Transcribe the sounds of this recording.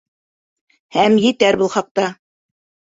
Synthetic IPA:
hæmjɘ̆t̪æɾbɤlˠχɑq̚t̪ɑ

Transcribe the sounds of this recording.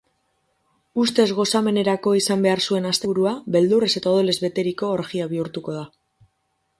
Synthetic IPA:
ust̪e̞zɣo̞same̞ne̞ɾako̞isambe̞aɾsue̞nast̪euɾuaβe̞ld̪urese̞t̪aoð̞o̞le̞zβe̞t̪e̞ɾiko̞ːɾɣiaβ̞iuɾt̪uko̞ð̞a

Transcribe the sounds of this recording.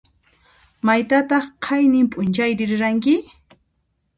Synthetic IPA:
majt̪at̪ɑχqʰajnɪmpʼʊnt͡ʃajɾɪɾɪɾaŋk̬ɪ

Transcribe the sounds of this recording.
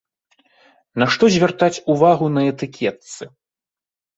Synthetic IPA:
nɐʂt̪ɔzʲvʲart̪at͡sʲuvaɣunɐɛt̪ɨkʲʰɛt̪sɨ

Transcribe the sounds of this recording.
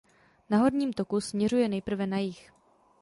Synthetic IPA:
naɦo̞ɾɲiːmt̪o̞kusmɲɛrujɛnɛjpr̩vɛnajɪx

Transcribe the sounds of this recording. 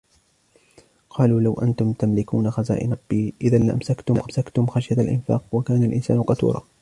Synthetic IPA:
qʰɑːluːlawʔa̰nt̪ʊmt̪amlɪkuːnaxaza̰ːʔɪ̰ˤɑbːiːʔɪðalaʔa̰msakt̪ʊmsakt̪ʊmxaʃjat̪alʔɪ̰nfa̰ːqwakaːnalʔɪnsaːnʊqɑt̪ṵːɾˤɑ̰ː

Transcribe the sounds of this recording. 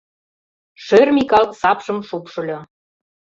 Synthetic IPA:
ʃørmʲikɑlsɑpʃɤ̆mʃupʃɤ̆lʲɤ

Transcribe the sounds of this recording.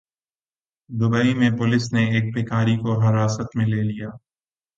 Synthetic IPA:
d̪ʊbəimẽpʊlɪsneeːk̚bʱeːkaːɾikoɦɐɾaːsət̪mẽleːlijaː

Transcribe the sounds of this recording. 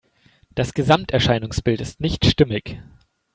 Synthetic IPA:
d̥asɡ̥əzamtɛɐʃaɪnʊŋsb̥ɪltɪstnɪçtʃtɪmɪç

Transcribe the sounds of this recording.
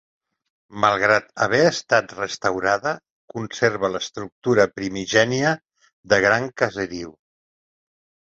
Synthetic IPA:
məlˠɣɾat̪əβ̞ɛəst̪at̪rəst̪əwɾaðə | kunseɾβələst̪ɾuk̚t̪uɾəpɾimiʒɛniə | ðəɣ̞ɾaŋkəzəɾiw

